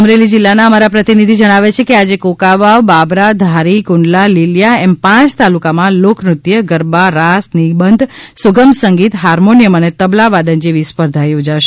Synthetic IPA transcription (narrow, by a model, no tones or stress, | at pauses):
əmɾelid͡ʒilːanaəmaɾapɾət̪inid̪ʱid͡ʒəɽ̃aʋet͡ʃʰekead͡ʒekokaʋaʋbabɾad̪ʱaɾikʊɳɖlaliljaɛmpãt͡ʃt̪alukamãloknɾut̪jəɡəɾbaɾasnibənd̪ʱsʊɡəmsəŋɡit̪ɦaɾmonijəmənet̪əblaʋad̪ənd͡ʒiʋispəɾd̪ʱajod͡ʒaʃe̥